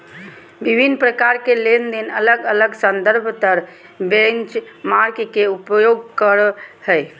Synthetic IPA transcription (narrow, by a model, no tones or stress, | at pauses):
bibʱinːpɾəkaɾkelend̪inələɡələɡsə̃nd̪əɾbʱt̪əɾ | bent͡ʃmaɾkkeupjoɡkəɾhəj